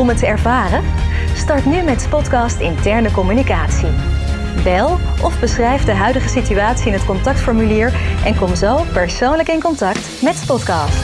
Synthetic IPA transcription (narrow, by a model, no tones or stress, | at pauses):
ɔmətəɛɹvaːrəstɑɹtnymɛtspɔtkɑːstɪ̰ntɛɹnəkɔmynikaːtsi | bɛlˠʔɔvbəsχrɛjvdəɦœɥdəχəsityaːtsiɪnɦətkɔntɑk̚tfɔɹmyliːɹʔɛnkɔmzowpɛɹsownləkɪnkɔntɑkt | mɛtspɔtkɑːst